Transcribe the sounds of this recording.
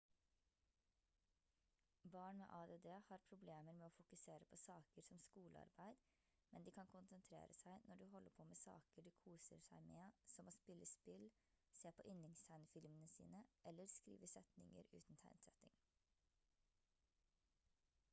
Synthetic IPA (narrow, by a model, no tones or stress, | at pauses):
bɑːɳmḛːʔɑːd̪eːd̪eːhɑːɾpʰɾʊbleːməɾmeːoːfʊkʉseːɾəpʰɔsɑːkəɾsɔmskuːlʔəɑ̰ɾbæɪd̪ | mɛnd̪iːkʰɑnkʰʊnsənt̪ʰɾḛːɾʔəsæɪnʔɔɖʉːɦɔlːəɾpʰoːmɛːsɑ̰ːkəɖiːkʰuːsəɾsæɪmeːsɔmoːspɪlːəspɪl | seːpʰɔʔʏnɪŋst̪ʰæɪnfɪlmənəsḭːnəʔɛlːəɾskɾḭːʋəsɛt̪nɪ̰ŋə̰ɾʉ̰ːt̪n̩t̪ʰæ̰ɪnsɛt̪ɪŋ